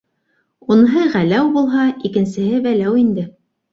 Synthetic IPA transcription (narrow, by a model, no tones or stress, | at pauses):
unɦɤʁælæwbulˠɦɑikɘ̆nsɘ̆ɦɘbælæwind̪ɘ